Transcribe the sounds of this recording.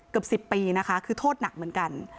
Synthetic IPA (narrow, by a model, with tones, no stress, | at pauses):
kɯ˨˩əp̚si˨˩pːiː˧na˦˥kʰa˦˥kʰɯː˧t̪ʰoː˥˩t̪̚na˨˩k̚mɯ˩˦nka˧n